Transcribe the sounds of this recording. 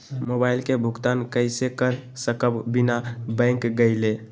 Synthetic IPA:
mobailkebʱʊɡt̪ankəɪsekəɾsəkəbbinabə̃ŋkɡəɪle

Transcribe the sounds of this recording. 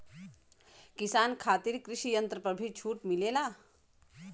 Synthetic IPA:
kɪsaːnkʰaːt̪iɾkɾɪʃijə̃nt̪ɾəpəbʱit͡ʃʰuːʈmɪleːlaː

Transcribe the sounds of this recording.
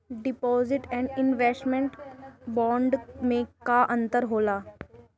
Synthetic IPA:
ɖɪpɔzɪʈɛ̃ɳɖɪnʋesʈmẽɳʈbɔːɳɖmẽkaʔə̃nt̪əɾɦoːlaː

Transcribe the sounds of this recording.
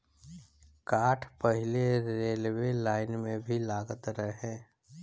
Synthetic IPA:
kaːʈʰpəɦɪleɾeːlwelaːɪnmẽbʱilaːɡət̪ɾəɦɦɛ̃ː

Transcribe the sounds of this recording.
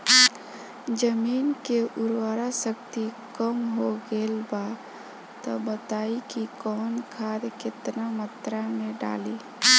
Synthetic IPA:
d͡ʒəmiːnkeʔʊɾwaɾasəkt̪ikəmɦoɡelba | t̪ɔbət̪aːikikɔːnkʰad̪kɪt̪namət̪ɾameɖa̰li

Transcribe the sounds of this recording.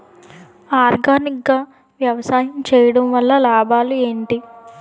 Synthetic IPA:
aːɾɡaːnik̚ɡaː | ʋjɐʋɐsaːjɐmt͡ʃɛːjɐɽɐmʋɐlːɐlaːbʱaːlue̞ːɳʈi

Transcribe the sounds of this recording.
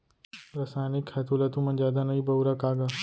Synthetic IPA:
ɾɐsaːjnɪkhɐt̪ulɐt̪ũmɐ̃nd͡ʒaːd̪anɐibɐuɾakaːɡa

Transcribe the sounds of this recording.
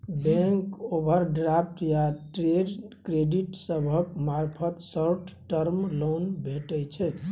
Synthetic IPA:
bɛ̃ŋkobʱəɾɖɾapʰʈjaʈɾeɖkɾeɖiʈsəbʱəkmaɾpʰət̪səɾʈʰʈəɾmlonbʱeʈət͡ʃʰɛ

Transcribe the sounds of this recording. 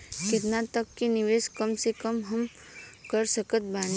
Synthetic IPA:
kɪt̪nat̪əkːinɪʋeːskɐmsekəmɦɐm | kəɾsəkət̪̚baːn

